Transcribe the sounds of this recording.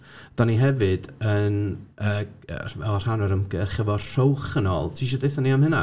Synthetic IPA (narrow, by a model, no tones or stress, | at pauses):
d̥aniɦɛvɨd̥ənəːə̰ɛr̥hanɔɾəmɡərχəvɔr̥owχənɔ̰lˠtʰiːʃ̬ɔdejθɔniamhəna